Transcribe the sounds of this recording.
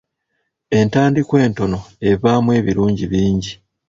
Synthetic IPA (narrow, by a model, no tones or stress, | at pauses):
e̞ntaːndikwe̞ːnto̞no̞e̞βaːmwe̞ːβiɾuːɲɟiβiːɲɟi